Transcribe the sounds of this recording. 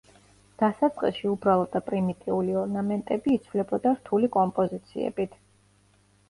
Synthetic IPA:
d̪̥asat̪sʼqʼiʃiubɾalˠɔd̪apʼɾimit̪ʼiuliɔɾnamɛnt̪ʼɛbiːt̪sʰvlɛbɔd̪aɾt̪ʰulikʼɔmpʼɔzit̪sʰḭɛ̰bit̪ʰ

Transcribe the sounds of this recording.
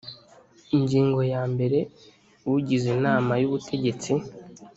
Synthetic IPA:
iɲɟiːŋɡo̞jaːmbe̞ɾe̞ | wuɟizinaːmajuβutʰe̞ɟe̞t͡si

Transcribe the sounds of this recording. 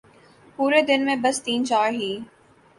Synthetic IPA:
puːɾed̪ɪnmẽbɐst̪iːnt͡ʃaːɾɦiː

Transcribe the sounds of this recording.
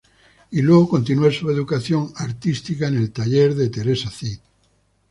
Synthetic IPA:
ilweɣ̞oko̞nt̪̬inuesue̞ðukaθjo̞ŋaɾt̪ist̪ikaene̞lt̪aʎeɾðe̞t̪e̞ɾe̞saθit̪

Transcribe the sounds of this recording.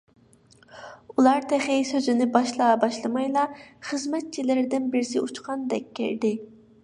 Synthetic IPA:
ulˠɑɾt̪ʰɛχɪsøzɪnɪbɑʃlˠɑbɑʃlˠɨmɑjlˠɑχəzmɛt̪̚t͡ʃʰilɪɾd̪ɪnbɪɾsɪut͡ʃqʰɑnd̪ɛkʲːḛɾd̪ɪ

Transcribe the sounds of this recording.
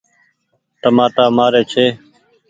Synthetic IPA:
ʈəmaːʈaːmaːɾeːt͡ʃʰeː

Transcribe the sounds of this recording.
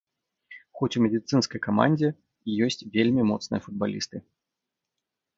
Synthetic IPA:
xɔt͡sʲumʲɛd̪ʲit̪sɨnskɐjkama̰nʲd͡zʲɛ | ijɔsʲt͡sʲvʲelʲmʲimɔt̪snɨ̰jɐfud̪̚balʲḭst̪ɨ

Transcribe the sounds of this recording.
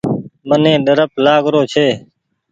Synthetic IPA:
mənẽːɗəɾəplaːɡɾoːt͡ʃʰeː

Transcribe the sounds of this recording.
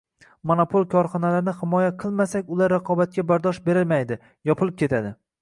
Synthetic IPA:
monopʰolˠkʲʰɒɾχɒnalaɾɪnɪhɪmɒjaqʰɨlˠmasakʲʊlaɾːaqʰɒbat̪̚kʲabaɾd̪ɒʃbe̞ɾɪlmajd̪ɪ | jɒpʰɨlˠɪp̚kʲʰe̞t̪ʰad̪ɪ

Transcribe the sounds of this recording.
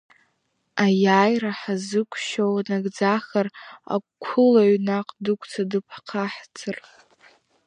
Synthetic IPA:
ajaːjraħazɨkʷʰʼʃowanaɡd͡zaχara̰kʷʰʊlaɥnaqʼdɨkʷʰʼt͡sʰadɨpʰqʰaħt͡sʰɨr

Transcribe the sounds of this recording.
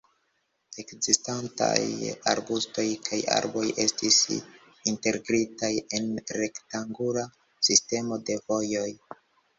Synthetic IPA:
e̞kzistanta̰ja̰ɾbusto̞jkʰaja̰ɾbo̞je̞stis | inte̞ɾɡɾitaje̞nɾe̞ktaŋɡula | siste̞mo̞de̞vo̞jo̞j

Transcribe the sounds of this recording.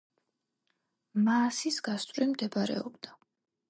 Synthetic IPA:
maːsisɡast̪ʼɾimd̪ɛbaɾɛ̰ɔbd̪a

